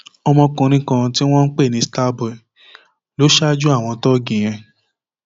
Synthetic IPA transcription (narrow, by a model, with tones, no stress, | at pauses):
ɔ˧mɔ̃˧kũ˧ɾ̃ĩ˦kã˧ti˦w̃ɔ̃˦n̩˦k͡pe˦˨nĩ˧sta˦bɔ˨ɛ˨ | lo˨˦ʃa˦d͡ʒu˦a˦˨w̃ɔ̃˧tɔ˦ɡĩ˨j̃ɛ̃˧